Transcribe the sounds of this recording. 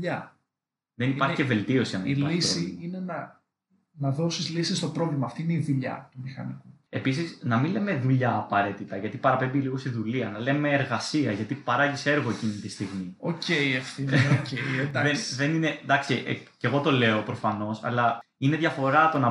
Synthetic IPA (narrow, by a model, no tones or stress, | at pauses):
ʎɐ | ðenipɐɾçiceve̞lt̪io̞siɐniillisiine̞nɐ | nɐðo̞sizlisist̪o̞pɾo̞vlimɐːft̪iineiðuʎɐ̰t̪umixɐ̰niku | e̞pis̬isnɐminle̞me̞ðuʎɐːpɐɾe̞t̪it̪ɐʝɐt̪ipɐɾɐpe̞mbiliɣo̞st̪iðuliɐnɐle̞me̞ːɾɣɐsiɐʝɐt̪ipɐɾɐʝise̞ɾɣo̞e̞cinit̪ist̪iɣmiocejefθiced̪ɐesðe̞nine̞d̪ɐksiʔece̞ɣo̞t̪o̞le̞o̞pɾo̞fɐno̞sɐ̰lɐ | ine̞ðʝɐfo̞ɾɐt̪o̞nɐ